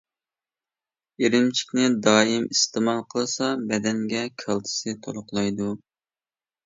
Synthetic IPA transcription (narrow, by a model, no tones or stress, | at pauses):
eɾɪmt͡ʃʰi̥kʲnɪd̪ɑːjimist̪ɨmɑlˠqʰəlˠɨsɑbɛd̪ɛŋɡʲɛkʲʰɑlˠt̪ʰɨ̥sɨt̪ʰolˠʊqlˠɑjd̪u